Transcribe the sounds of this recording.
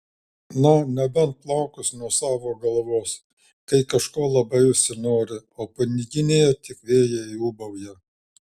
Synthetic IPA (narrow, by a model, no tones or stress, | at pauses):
nʊnʲɛbʲɛnt̪̚plˠɐʊkʊsʲnuɔsɑːʋoːɡɐlˠʋoːs | kɐɪkɐʃkoːlˠɐbɐɪʊʃʲsʲɪnoːɾʲɪoːpɐnʲɪɡʲɪnʲejɛt̪ʲɪkʋʲeːjɛɪuːbɐʊjɛ